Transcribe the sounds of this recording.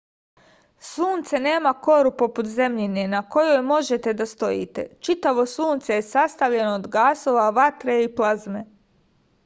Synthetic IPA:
suːnt̪sene̞ːmako̞ɾupo̞put̪ze̞mʎine̞nako̞jojmo̞ʒe̞t̪e̞d̪ast̪o̞jḭt̪e̞̰t͡ʃit̪aʋo̞suːnt̪sejesast̪aʋʎe̞noːd̪ɡaːso̞ːʋaʋat̪ɾeiplˠazme

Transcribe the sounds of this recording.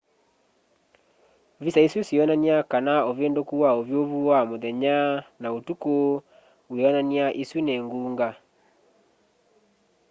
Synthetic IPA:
visaisusiɔnaniakanaovendokuwaovjoβuwamoðɛɲanaotuko | weɔnaniaʔisunɛŋɡuːŋɡa

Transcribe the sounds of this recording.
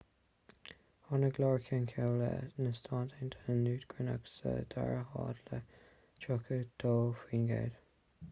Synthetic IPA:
hɔnəɡlɔːɹkʰənkʰɛwlə̰nəst̪ʰɑːntʰɛnt̪ʰəənuːd̪ɡ̥ɹəna̰ksə̰d̪a̰ɹəhɑ̰ːd̪lə | t͡ʃʊkʰəd̪̥ʰoːfiːnɡḛːd̥̪

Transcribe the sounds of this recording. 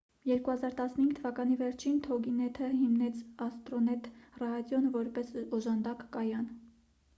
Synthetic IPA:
jɛɾkuhɑzɑɾt̪ɑsnəhiŋɡt̪ʰəvɑkɑnivɛɾt͡ʃʰint̪ʰɔɡinɛt̪ʰəɦimnɛt͡sʰɑst̪ɾɔnɛt̪ʰrɑɑd̪jɔnvɔɾpɛsɔʒɑnd̪ɑkːɑjɑn

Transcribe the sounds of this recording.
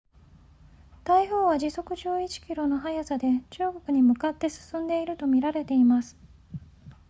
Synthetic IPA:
t̪aiɦoːβad͡ʑiso̞kɯ̟ʑɨːit͡ɕi̥kʲiɾo̞no̞ɦajasad̪e̞t͡ɕɨːɡo̞kɯ̟ɲ̟imɯ̟kat̪ːe̞sɨ̥sɨ̃nd̪e̞iɾɯ̟t̪o̞mʲiɾaɾe̞t̪e̞imasɨ̥

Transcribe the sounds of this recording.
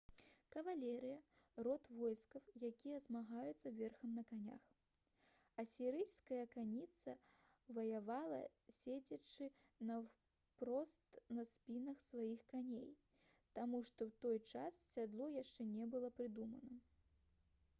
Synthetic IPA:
kɐvalʲɛɾɨjɐ | rɔt̪vɔjskɐwjakʲijɐzmaɣajut̪sːɐvʲɛrxɐmnɐkanʲa̰x | ɐsʲiɾɨjskɐjɐkanʲit̪sɐ | vɐjavalˠɐ̰sʲed͡zʲɐt͡ʂɨ | nɐ | pɾɔst̪nɐsʲpʲinɐxsvajixkanʲḛj | t̪amuʂt̪ɔwt̪ɔjt͡ʂasːʲad̪lˠɔjaʂt͡ʂɛnʲɛbɨlˠɐpɾɨd̪umɐnɐ

